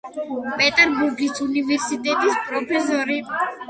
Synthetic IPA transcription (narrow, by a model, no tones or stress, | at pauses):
pʼɛt̪ʼɛɾbuɾɡisunivɛɾsit̪ʼɛt̪ʼispʼɾɔpʰɛsɔɾi